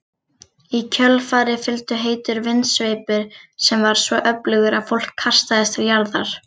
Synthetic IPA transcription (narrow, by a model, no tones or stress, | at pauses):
icʰœlfaːɾɪfɪlt̪ʏɦeːjt̪ʏɾvɪnsveːjpʏɾ̥sɛmvaɾ̥svɔʔœplʏɣʏɾafowl̥kʰːar̥st̪aðɪst̪ɪɾjaɾðaɾ̥